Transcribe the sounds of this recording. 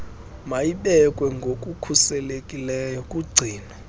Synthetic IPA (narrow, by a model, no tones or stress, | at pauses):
majiɓɛkʼwɛŋɡʱokʼukʰusɛlekʼilɛːjɔkʼuɡ͡ǀʱiːna